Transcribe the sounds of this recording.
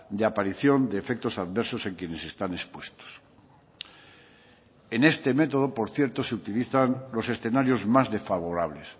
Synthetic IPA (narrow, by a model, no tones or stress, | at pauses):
d̪eapaɾiθjo̞nd̪eːfe̞k̚t̪o̞saðβe̞ɾso̞se̞ŋkje̞nesest̪anespwe̞st̪o̥s | ene̞st̪e̞me̞t̪oð̞o̞po̞ɾθje̞ɾt̪oseut̪iliθanlo̞se̞sθe̞naɾjo̞zmazðe̞sfaβ̞o̞ɾaβ̞le̞s